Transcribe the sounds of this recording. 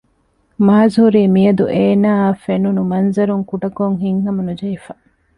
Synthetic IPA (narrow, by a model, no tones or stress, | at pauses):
maːzhuɾiːmijɐd̪uʔeːnaːfenunumɐnzɐɾuŋkuɖɐkoŋɦiŋhɐmɐnud͡ʒɐifɐ